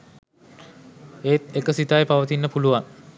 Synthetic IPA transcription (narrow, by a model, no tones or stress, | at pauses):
eːt̪̚ekəsit̪ajpaʋət̪inːəpuluʋaŋ